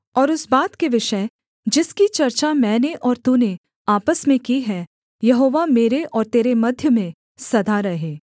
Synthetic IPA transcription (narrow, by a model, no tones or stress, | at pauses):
ɔːɾʊsbaːt̪keʋɪʃəɪ | d͡ʒɪskit͡ʃɐɾt͡ʃamɛ̃ːneʔɔːɾt̪une | aːpəsmẽkiɦɛ | jɐɦoːʋameːɾeʔɔːɾt̪eːɾemɐd̪ʱjəmẽ | sɐd̪ʱaɾɐɦeː